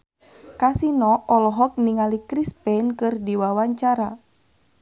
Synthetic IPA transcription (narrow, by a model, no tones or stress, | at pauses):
kasinɔɔlɔɦɔk̚niŋalikɾispɛnkɨrdiwawaɲt͡ʃaɾa